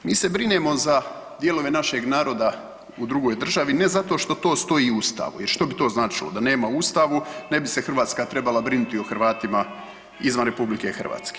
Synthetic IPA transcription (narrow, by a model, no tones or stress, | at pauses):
miːse̞bɾineːmo̞za | d̪je̞lˠo̞ʋe̞naʃe̞ɡnaːɾo̞d̪a | ud̪ɾuɡo̞jd̪r̩ʒaʋine̞zat̪o̞ʃt̪o̞t̪o̞ːst̪o̞jiust̪a̰ːʋṵjeɾʃt̪o̞bit̪o̞ːznaːt͡ʃilo̰d̪ane̞ːmaust̪aʋune̞bisexr̩ʋaːt̪skat̪ɾe̞balˠabɾinut̪ioxrʋaːt̪ima | izʋanɾe̞publikexr̩ʋa̰ːt̪ske̥